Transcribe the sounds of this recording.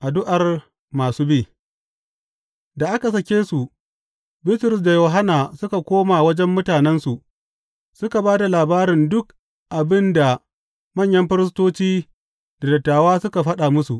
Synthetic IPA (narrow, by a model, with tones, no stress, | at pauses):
ʔa˨dʊ˦ʔa˨r | maː˨suː˦biː˦˨ | da˨ʔa˦ka˨sɐ˨kʲeː˦su˨ʔ | bɪ˦tɾɪ˨s̬da˨joː˨ɦa˦naː˨sʊ˦ka˨kʷoː˦maː˨wɐ˦d͡ʒɛ˦mːʊ˦taː˨nɛ˦nsu˨ʔ | sʊ˦ka˨baː˦da˨laː˨baː˦ɾɪ˨ndʊ˦k̚ | ʔa˨bɪ˦nda˨ | mɐ˦˨ɲjɐ˦mɸɪ˦ɾɪ˦s̬toː˦t͡ʃiː˦ | d̥a˨dɐ˨tːaː˨waː˦sʊ˦ka˨ɸɐ˦ɗa˨mʊ˦su˨ʔ